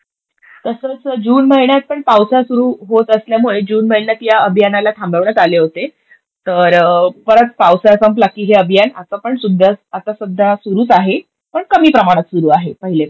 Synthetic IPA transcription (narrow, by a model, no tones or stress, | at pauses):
t̪əsəːt͡sd͡ʑuːnməɦiɳjat̪̚pəɳpawsasuɾuːɦot̪əsljamuɭed͡ʑuːnməiɳjat̪jaəbʱjanalat̪ʰãmbəʋɳat̪aleɦot̪e | t̪əɾpəɾət̪̚pawsasəmplakːiːɦeəbʱijana̰t̪apəɳsud̪ʱːaat̪asud̪ʱːasuɾuːt͡saɦe | pəɳkəmiːpɾəmaɽ̃at̪suɾuːaɦepəɦile